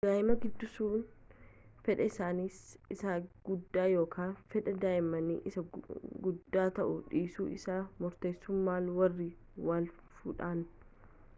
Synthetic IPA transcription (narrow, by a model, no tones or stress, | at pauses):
d̪̥aːjɪmɐɡɪd̪ːʊsuːn | fɛᶑɐɪsaːnisɪsaːɡ̥ʊd̪ːaːjo̞ːkʰaːnfɛᶑɐd̪aːjɪmɐnḭʔɪsɐɡʊd̪ːaːt̪ɐʔʊᶑiːsuːɪ̰saːmʊɾt̪e̞ːsːʊmːaːlwɐrːɪ | waːl | fṵːᶑaːn